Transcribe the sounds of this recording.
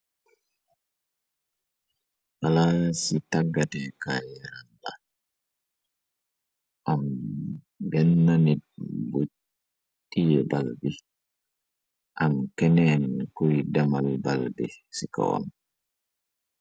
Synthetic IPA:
walasitaɡːatɛkajɛɾanda | ʔam | bɛnːanit̚bu | tijɛbalbi | ʔamkɛnɛːnkɔjdamalbalbɛsika̰wa̰n

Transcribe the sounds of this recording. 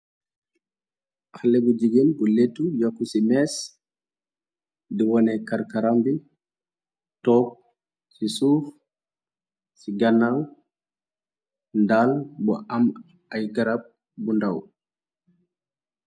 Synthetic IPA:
halɛbud͡ʒiɡinbuletːujakːusimɛs | diwɔnɛkaɾkaɾambi | tɔp̚ | sisuːf | siɡanːaw | ndalbɔ̰ʔam | ʔajɡaɾab̚ | bundaw

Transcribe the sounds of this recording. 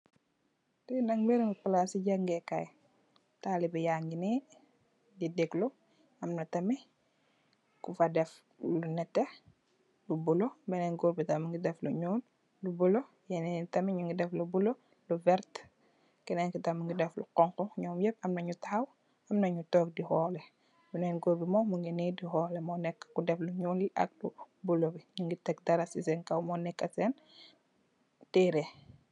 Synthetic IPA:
tɛnɐŋmɛɾŋɡipɐlasiɟaŋɡɛkaj | taːlibɛjaːŋɡinɛ | didɛklɔ | ɐmnɐtɐmi | kufɐdɛf | lunɛtːɛ | lubulɔbɛnɛŋɡoɾbitɐmɐŋɡidɛfluɲɔːl | lubulɔ | jɛnɛtɐmiɲuŋɡidɛflubulɔ | luvɛɾt | kɛnɛŋkitamuŋɡidɛflṵqɔŋkɔɲɔːmjɛp̚ɐmnɐɲutaaw | ɐmnɐɲutɔk̚dixɔːlɛ | binɛnɡoɾbimɔmuŋɡinidixɔːlɛmɔnɛkːkudɛfluɲuːliʔɐ̰k̚lu | bulobiɲuŋɡitɛk̚dɐɾasisɛŋkɐwmɔnɛkːɐsɛn | teːɾɛ

